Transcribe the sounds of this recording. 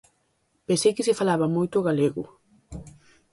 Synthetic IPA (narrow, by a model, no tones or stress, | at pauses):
pesejkɪsɪfalaβɐmojt̪ʊoɣaleɣʊ